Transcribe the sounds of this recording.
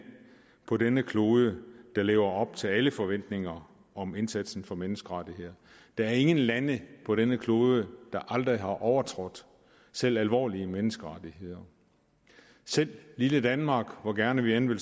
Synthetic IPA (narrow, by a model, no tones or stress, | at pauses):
pʰɒ̽denəkʰlo̝ːð̞ˠəd̥ɑ̈lḛːʊɐɒ̽b̥̚t͡sʰe̝læləfɒ̽ʋen̰d̥ne̝ŋɐ | ɒ̽me̝nsæd̥sn̩fɒ̽menəsɡ̥əʁɑd̥iɦe̝ð̰ˠɐ | d̥ɑ̈æɐe̝ŋən̩lænəpʰɒ̽ɾ̥enəkʰlo̝ːðˠəd̥ɑ̈ʔɑ̈ld̥ʁiɦɑ̈ʔɒʊɐt͡sʰʁɔ̽d̥ | sel̰ælʋɒ̰ːliəmenəsɡ̥əʁɑd̥ihe̝ð̰ˠɐ | sel̰lːiləd̥ænmɑ̈ːɡ̥ʋɒɡ̥æɐnəʋienʋel